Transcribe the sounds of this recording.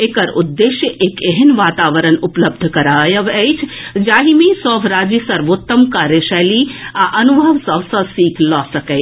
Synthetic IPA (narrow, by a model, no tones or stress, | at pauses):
ekəɾud̪ːeːʃjəʔeːkeɦənʋaːt̪aːʋəɾənʊpləb̚d̪ʱkɐɾaːjəʋəjt͡ʃʰ | d͡ʒaːɦimẽsɔːʋɾaːd͡ʒisɐɾʋoːt̪ːəmkaːɾjəʃaliaʔɐnubʱəʋsɐʋsəsiːkʰlɔːsɐkəj